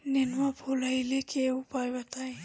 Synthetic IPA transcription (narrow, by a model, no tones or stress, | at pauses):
nenwabʱolajlekeupajbat̪aj